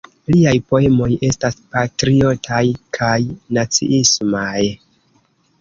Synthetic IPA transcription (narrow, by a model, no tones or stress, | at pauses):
liajpo̞e̞mo̞je̞staspatɾio̞tʰajkʰajnat͡sḭʔismaj